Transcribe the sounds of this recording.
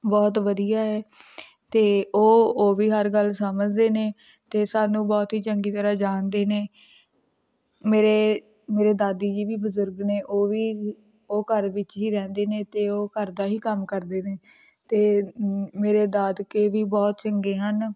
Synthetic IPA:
bɔːt̪ʋəd̪ijaːɛː | t̪eːoːoːʋiːɦəɾɡəlsəməd͡ʒd̪eːneː | t̪eːsaːnũːbɔːt̪ɦiːt͡ʃəŋɡiːt̪əɾaːd͡ʒaːnd̪eːneː | meːɾeː | meːɾeːd̪aːd̪iːd͡ʒiːʋiːbəzʊɾɡneːʔoːʋiː | oːkəɾʋɪt͡ʃɦiːɾɛ̃ːnd̪eːneːt̪eːoːkəɾd̪aːɦiːkəmkəɾd̪eːneː | t̪eːmeːɾeːd̪aːd̪keːʋiːbɔːt̪t͡ʃəŋɡeːɦən

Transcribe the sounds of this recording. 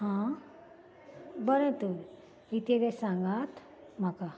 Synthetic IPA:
ɦã | bəɾə̃nt̪əɾ | it̪eʋɛsãŋɡat̪ | m̤aka

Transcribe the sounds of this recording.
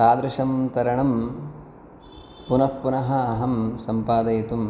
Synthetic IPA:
aːd̪ɾɐʂɐmt̪ɐɾɐɳɐm | punɐppunɐɦɐːɦɐmsɐmpaːd̪ɐjɐt̪um

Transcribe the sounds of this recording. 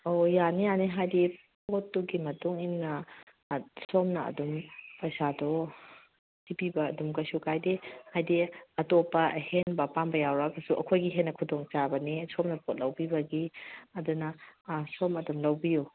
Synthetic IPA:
ojanijaniɦajdi | otːuɡimɐtuŋimnɐ | sɔmnɐɐ̰dumpɐjsadɔ | sipibɐːdumkɐsukʰajdehajdiɐtopːɐhenbɐpanbɐjawɾakɐsuʔɐ̰kʰojɡiɦenːɐkʰudoŋt͡ʃabɐnisɔmnɐpʰot̚lɐwpibɐɡiɐdunɐsɔmɐdumlɐwbiju

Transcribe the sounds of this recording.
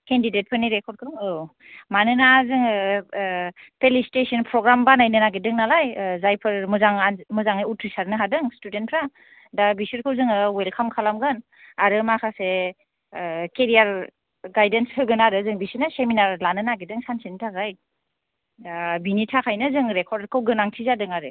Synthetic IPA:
kendidet̚pʰɯɾniɾekʰɔɾ̚kʰɯŋɯ | manɯnazɯŋ | pelistesɔnpʰɾɔɡɾambanajnɯnaɡedɯŋnalajzajpʰɯɾmɯzaŋanmɯzaŋajutʰɾisaɾnɯɦadɯŋstudentpʰɾa | dabisɯɾkʰɯwzɯŋɯwelkʰamkʰalamɡɯn | aɾɯmakʰase | keɾijaɾ | ɡajdensʰɯɡɯnaɾɯzɯŋbisinaseminaɾlanɯnaɡedɯŋsansinɯtʰakʰaj | binitʰakʰajnɯzɯŋɾekʰɔɾdaɾkʰɯwɡɯnaŋtʰizadɯŋaɾɯ

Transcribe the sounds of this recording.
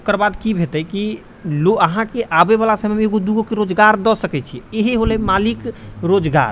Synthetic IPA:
kəɾbad̪kibʱet̪ɛki | loəɦãkeʔabeβalasəmmeeɡod̪uɡokeɾod͡ʒɡaɾd̪ɔsəkɛt͡ʃʰieɦeɦolɛmalikɾod͡ʒɡa̰ɾ

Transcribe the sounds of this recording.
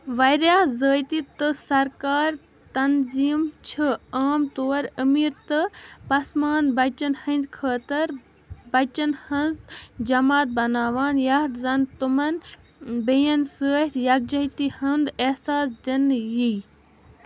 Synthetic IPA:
ʋɐjɾjaːzəːjt̪it̪ɨsɐɾkaːɾ | t̪ɐnziːmt͡ʃʰɨaːmt̪oːɾəmiːɾt̪ɨpɐsmaːnbɐt͡ʃɐnhɐ̃nd̪kʰəːt̪ɐɾ | bɐt͡ʃɐnhɐnzd͡ʒɐmaːt̪̚bɐnaːʋaːnjaɦt̪zɐnt̪umɐn | bejɐnsəːɾʲjɐɡ̚d͡ʒɐɦt̪ihɐnd̪ehsaːsd̪enji

